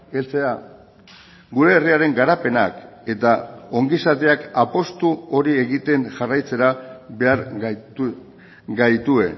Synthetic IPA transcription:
e̞lt͡se̞a | ɡuɾe̞ːriaɾe̞ŋɡaɾape̞na̰k | e̞t̪ao̞ŋɡisat̪e̞akapo̞st̪uo̞ɾie̞ɣit̪e̞ŋʝarajt͡se̞ɾaβe̞aɾ | ɡajt̪ue̞

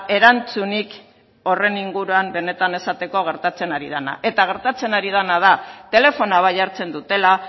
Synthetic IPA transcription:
e̞ɾant͡sunik | o̞re̞niŋɡuɾuambe̞ne̞t̪ane̞sat̪e̞ko̞ɣ̞e̞ɾt̪at͡se̞naɾḭð̞ana̰ʔe̞t̪aɣ̞e̞ɾt̪at͡se̞naɾið̞anað̞at̪e̞le̞fo̞naβaʎaɾt͡se̞nd̪ut̪e̞la

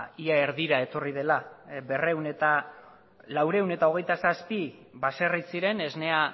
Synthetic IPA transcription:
iae̞ɾðiɾae̞t̪o̞rið̞e̞laβe̞re̞une̞t̪a | lawɾe̞une̞t̪ao̞ɣ̞e̞jt̪asaspi | βase̞risiɾe̞ne̞zne̞a

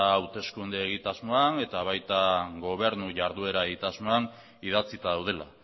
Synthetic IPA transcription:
wt̪e̞skund̪eːɣ̞it̪azmo̞ane̞t̪aβ̞ajt̪aɡo̞β̞e̞ɾnuʝaɾðue̞ɾaeɣit̪azmo̞an | iðat͡sit̪aðawð̞e̞la̰

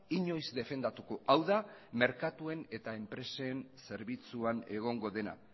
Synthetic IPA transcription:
iɲo̞jzd̪e̞fe̞nd̪at̪uko̞ʔawðame̞ɾkat̪ue̞ne̞t̪ae̞mpɾe̞sense̞ɾβit͡suane̞ɣ̞o̞ŋɡo̞ðe̞na̰

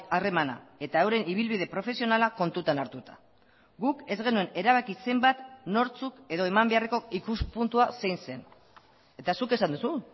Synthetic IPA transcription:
are̞mana̰e̞t̪aewɾe̞niβ̞ilβið̞e̞pɾo̞fe̞sio̞nalako̞nt̪ut̪anaɾt̪ut̪ḁ | ɡuke̞zɣe̞nue̞ne̞ɾaβ̞akise̞mbat̪no̞ɾt͡suke̞ðo̞e̞mambe̞areko̞ikuspunt̪uasejnse̞n | e̞t̪asuke̞sand̪usu

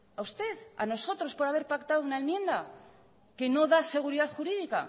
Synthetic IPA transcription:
aust̪e̞ða̰no̞so̞t̪ɾo̞spo̞ɾaβe̞ɾpakt̪aðounaenmjẽ̞nd̪a | ke̞no̞ðase̞ɣ̞uɾiðaθxuɾiðika̰

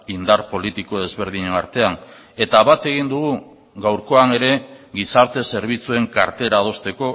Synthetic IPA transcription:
ind̪aɾpo̞lit̪iko̞ðe̞zβe̞ɾð̞iɲe̞naɾt̪e̞an | e̞t̪aβat̪e̞ɣ̞ind̪uɣu | ɡawɾko̞ane̞ɾe̞ɣisaɾt̪e̞se̞ɾβ̞it͡sue̞ŋkaɾt̪e̞ɾaːð̞o̞st̪e̞ko̞

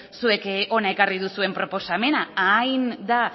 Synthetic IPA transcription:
sue̞ko̞nae̞kariðusue̞mpɾo̞po̞same̞naajnd̪a

